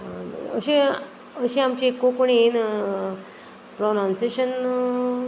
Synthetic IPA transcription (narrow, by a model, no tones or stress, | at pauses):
əɕẽ | əɕẽamt͡ɕiekːokoɳin | pɾonãnseɕən